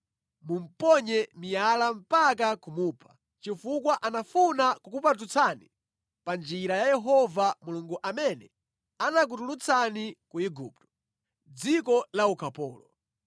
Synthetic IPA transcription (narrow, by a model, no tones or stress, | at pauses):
mum̩pɔɲɛmijalam̩pak̬akumupʰḁ | t͡ʃifukwaʔanafunakukupat̬ut͡sʰani | pand͡ʒiɾajajɛɦɔvamuluŋɡuʔamɛnɛ | anak̬utulut͡sʰanikuiɡup̚tɔ̥ | d͡zikɔlaukʰapɔːlɔ